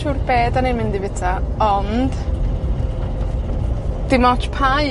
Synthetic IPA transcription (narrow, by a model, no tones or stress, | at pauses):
ʃurb̥eːdanejmɪndɪvɪtʰaɔnd̥ | d̥ɪmɔt͡ʃʰpʰaj